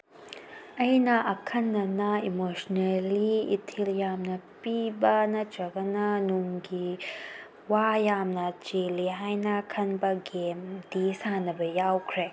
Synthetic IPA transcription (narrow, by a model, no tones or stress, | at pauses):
ɐjnɐʔɐkʰɐnːɐnɐimosnelḭːtʰiljamnɐpibɐnɐt͡ʃɐɡɐnɐnuŋɡi | wajamnɐt͡ʃeliɦajnɐkʰɐnbɐɡemdisanɐbɐjawkʰɾe